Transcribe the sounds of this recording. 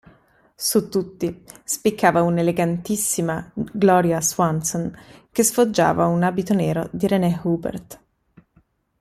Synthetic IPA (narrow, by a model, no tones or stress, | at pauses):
sut̪ːut̪ːispikʰːaːvauneleɡant̪isːimaɡlɔːɾjaswansonkesfod͡ʒːa̰ːvaunaːbit̪onɛːɾod̪iɾenɛhubɛ̰rt̪